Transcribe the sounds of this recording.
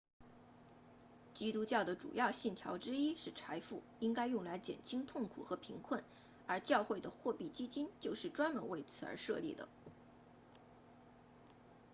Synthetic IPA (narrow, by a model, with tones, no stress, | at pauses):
t͡ɕi˥t̪u˥t͡ɕjɑ˥˩ʊd̪ə˩ʈ͡ʂṵ˨˩jɑ˥˧ʊɕi˥˩nt̪ʰjɑ˧˥ʊʈ͡ʂɻ̩˥i˥ʂɻ̩˥˩ʈ͡ʂʰa˧˥ɪfu˥˩i˥ŋka˥ɪjʊ˥˩ŋla˧˥ɪt͡ɕjɛ̰˨˩nt͡ɕʰi˥ŋt̪ʰʊ˥˩ŋkʰṵ˨˩xɤ˧˥pʰi˧˥ŋkʰwə˥˩n | ə˞˧˥t͡ɕjɑ˥˧ʊxwe˥˩ɪd̪ə˩xwɔ˥˧pi˥˩t͡ɕi˥t͡ɕi˥nt͡ɕjo˥˧ʊʂɻ̩˥˩ʈ͡ʂwa˥nmə˧˥nwe˥˩ɪt͡sʰɹ̩˨˧˥ə̰˞˧˥ʂɤ̰˥˧lḭ˥˩d̪ə̰˩